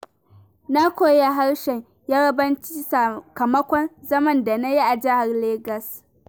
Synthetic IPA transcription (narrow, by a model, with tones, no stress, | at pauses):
na˦kʷoː˦˨ja˨ɦa˦ɽʃɛ˨ɲ | jaː˦ɽɐ˦bɐ˦nt͡ʃi˦sa˨kɐ˨mɐ˦kʷɔ˦nzɐ˦mɐ˦nda˨na˦ji˦ʔa˨d͡ʒɪ˦ha˨rleː˦ɡɐ˨s